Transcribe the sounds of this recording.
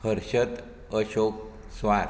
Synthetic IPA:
həɾɕət̪ | əɕok̚ | sʋaɾ

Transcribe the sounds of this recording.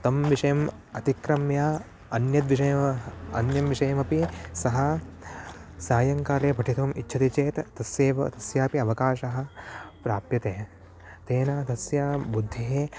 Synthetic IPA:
t̪ɐmʋiʂɐjɐm | ɐt̪ikɾɐmjaː | ɐnjɐt̪ʋiʂɐjɐɐ̰njɐmʋiʂɐjɐmɐpisɐɦɐ | saːjɐŋkaːɾeːbʱɐʈʰit̪ɐʋɐmʔḭtːʃʰɐt̪it͡ʃeːt̪ːɐsjeːʋɐt̪ɐsjaːpiɐʋɐkaːʃɐɦɐ̆pɾaːpjɐt̪eː | t̪eːnaːt̪ɐsjaːbud̪ʱːeɦeː

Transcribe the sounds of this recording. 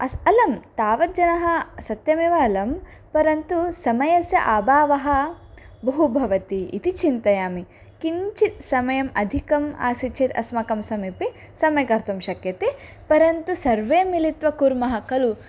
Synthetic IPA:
ɐsɐlɐmt̪aːʋɐt̪̚d͡ʒɐnɐɦɐsɐt̪jɐmeːʋɐːlɐm | pɐɾɐnt̪usɐmɐjɐsjɐʔaːbaːʋɐɦɐ | bɐɦubʱɐʋɐt̪ḭːt̪it͡ʃint̪ɐjaːmi | kiɲt͡ʃit̪sɐmɐjɐmɐd̪ʱikɐma̰ːsit͡ʃʰeːt̪ɐ̰smɐkɐmsɐmiːpi | sɐmɐjɐkɐɾt̪ɐmʃɐkjɐt̪e | pɐɾɐnt̪usɐɾʋeːmilit̪ʋɐkuɾmɐɦɐkɐlu

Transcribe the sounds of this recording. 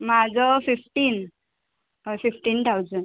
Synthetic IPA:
mad͡zɔfifʈiːn | fifʈiːnt̪ʰawd͡zən

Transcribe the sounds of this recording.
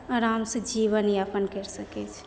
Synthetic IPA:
aɾamsẽd͡ʒiʋəniapənkəɾsəket͡ʃʰ

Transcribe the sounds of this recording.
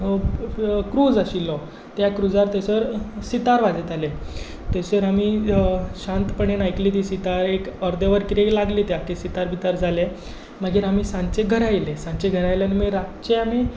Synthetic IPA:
kɾuːd͡zaɕilɔ | t̪jakɾud͡zaɾt̪eseəɾsit̪aɾʋad͡zet̪ale | t̪eseɾami | ɕãnt̪pəɳenajkliːt̪iːsit̪aɾekəɾd̪eʋəɾkit̪eklaɡliːt̪jakesit̪aɾbit̪aɾd͡zʱale | maɡiːɾamiːsãnt͡seɡʱəɾajlesãnt͡ɕeɡʱəɾajleanimeɾat͡ɕeami

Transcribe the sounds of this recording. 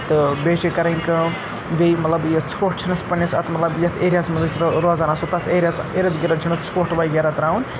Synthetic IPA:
t̪ɨbeːt͡ʃikɐɾɐŋʲkɐ | bejmɐt̪lɐbjɐt͡sʰoːʈ̚t͡ʃʰinɐspɐnɐsɐ̰t̪ʰmɐt̪lɐbjɐt̪ʰeːɾijaːsmɐzɐsɾɾozaːnasot̪ɐt̪ʰeːɾʲijaseɾɐt̪ɡiɾɐnt͡ʃʰinɐt̪t͡sʰoʈbajɡʲeɾɐt̪ɾaːun

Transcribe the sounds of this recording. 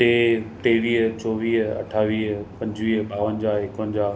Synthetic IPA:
teːʈ̪eːʋiːɦt͡ɕɔːʋiːɦɐ̰ʈʰaːʋiːɦpɐ̃ɲd͡ʑʋiːɦɓaːʋənd͡ʑaːɪkənd͡ʑaː

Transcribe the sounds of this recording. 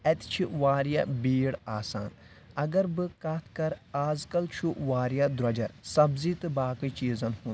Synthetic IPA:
ɛt̪t͡ʃʰiʋaːɾjabiːɽaːsa̰ːn | ɐɡɐɾbɨkɐt̪ʰkɐɾaːzkɐlt͡ʃʰuʋaːɾjad̪ɾɐd͡ʒɐɾsɐbziːt̪ɨbaːkit͡ʃiːzɐnhũn

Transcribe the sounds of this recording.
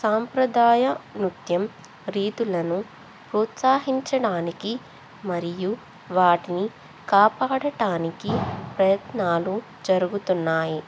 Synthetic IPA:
saːmpɾɐd̪aːjɐnut̪jɐm | ɾiːt̪ulɐnu | pɾuːt̪saːɦiɲt͡ʃɐɽaːniki | mɐɾiju | ʋaːʈini | kaːpaːɽɐʈaːnikipɾɐjɐt̪naːlu | d͡ʒɐɾuɡut̪unːaːji

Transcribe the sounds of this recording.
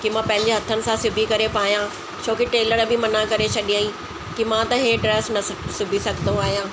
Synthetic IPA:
kimãpɐ̃ɦɪ̃ɲ̆d͡ʑeɦɐt̪ʰənɪ̆sãsʊbʱikɐɾepaːɦijã | t͡ɕʰoːkiʈeːləɾbʱɪmɐnakɐɾet͡ɕʰɐɗĩaːĩ | kimãt̪ɐɦeɖɾeːsnɐsʊbʱisɐɡʱnd̪oaːɦijãː

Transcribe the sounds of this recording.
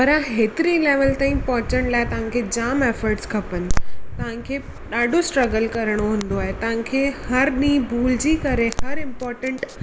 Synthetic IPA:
pɐɾãɦeːt̪ɪɾĩleːʋəlt̪ãːĩpɔɦʊ̃t͡ɕəɽ̃laːet̪ɐʋ̤ãkʰed͡ʑaːmeːfəɾʈskʰɐpənɪ̆t̪ɐʋ̤ãkʰeː | ɗaːɖʱosʈɾɐɡəlkɐɾəɽ̃oɦũːnd̪oaːɦet̪ɐʋ̤ãkʰeːhɐɾɗĩːbʱuːld͡ʑiːkɐɾehɐɾɪ̃mpɔːɾʈə̃ɳʈ

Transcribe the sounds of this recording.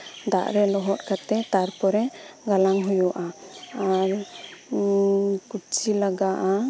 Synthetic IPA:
d̪a̰ʔɾɛlɔɦɔt̪̚kat̪ɛt̪aɾpɔɾɛɡalaŋɦujuʔaaɾ | kut͡ʃilaɡaʔa

